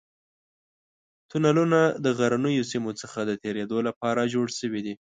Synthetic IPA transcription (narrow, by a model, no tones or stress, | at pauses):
t̪unalunad̪əɣaɾanəjosimot͡səxad̪ət̪eɾed̪olapɑɾad͡ʒoɽʃəwid̪i